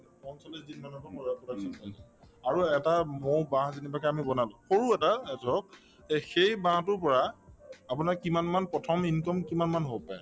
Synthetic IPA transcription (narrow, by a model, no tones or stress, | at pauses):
ɔnsɔlɛzitmanɔtɔxɔɹapɔɹasinɔjnaaɹuɛtamobãɦzinibakɛamibɔnalʊ̃xoɹuɛtaɛtɔk̚ | xejbãtʊɹpɔɹaapunakːimanmanpɹɔtʰɔminkɔmkimanmanɦopaj